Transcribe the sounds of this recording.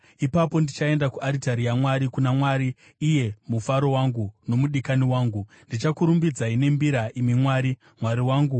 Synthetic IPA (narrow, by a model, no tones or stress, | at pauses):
ipapo̞ndit͡ʃae̞ndakuʔaɾitaɾijamwaɾikunamwaɾiː | je̞mufaɾo̞waŋɡuno̞muɗikaniwaːŋɡu | ndit͡ʃakuɾumbid͡zaine̞mbiɾaʔimimwaːɾi | mwaɾiwaːŋɡu